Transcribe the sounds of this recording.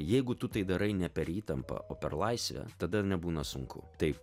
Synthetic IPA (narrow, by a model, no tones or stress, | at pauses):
jɛɪɡʊt̪ʊt̪ɐɪd̪ɐɾɐɪnʲɛpʲɛɾiːt̪ɐmpɐ̰ʔoːpʲɛrlˠɐɪsʲʋʲɛ̰t̪ɐd̪ɐnʲɛbuːnɐsʊŋkʊ̰t̪ɐɪp